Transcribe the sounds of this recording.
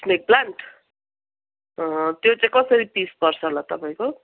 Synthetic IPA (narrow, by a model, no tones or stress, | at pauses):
smek̚plaɳʈ | t̪jot͡sãj̃kʌsʌɾipispʌrt͡sʰʌlat̪ʌpaj̃ko